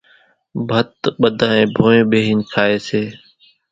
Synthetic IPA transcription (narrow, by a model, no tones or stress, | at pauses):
bʱət̪ɓəd̪ʱãːẽːbʱõːẽːɓeːɦiːnkʰaːeːseː